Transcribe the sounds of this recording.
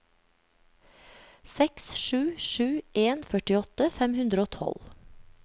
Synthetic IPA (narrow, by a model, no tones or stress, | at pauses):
sɛksʃʉːʃʉːʔeːnfœʈɪɔt̪əfɛmhʉnd̪ɾəoːt̪ʰɔ̰l